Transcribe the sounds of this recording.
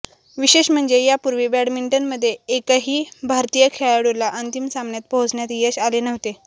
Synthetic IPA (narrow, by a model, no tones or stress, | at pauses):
ʋiɕeɕm̤əɳd͡zejapuɾʋibæɽmiɳʈənməd̪ʱːjeːkaɦiːbʱaɾt̪ijəkʰeɭaɽoɾlaʔənt̪imsambɳjat̪̚bʱod͡zɳjat̪jeɕalenəʋt̪e